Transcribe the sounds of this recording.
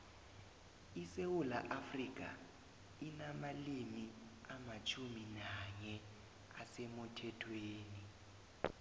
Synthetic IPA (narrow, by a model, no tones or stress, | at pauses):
isewulaʔafrik̬ʼa̰ | inamalimiamat͡ʃʰuminaɲɛ | asemutʰɛtʰweːni